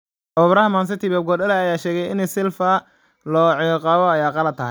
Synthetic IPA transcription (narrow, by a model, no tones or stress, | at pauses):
ʔɔβɾɐɦɐmaːns̬ɐt̪ʰibɛːb̚ɡɔɗɐlɛɐjaːʃɛːɣɛjɪnɪsɪlfɐ | lɔːʕɪjqɑːβɔɐjaːqɑlɐd̪̚t̪ʰɐɦɛj